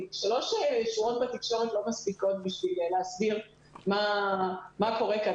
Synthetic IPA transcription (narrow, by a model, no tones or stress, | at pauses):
ʃalo̞ʃjʃuʁo̞t̚bat̪ikʃo̞ʁetlo̞maspiko̞t̪biʃvileleasbiʁ | ma | mako̞ʁeka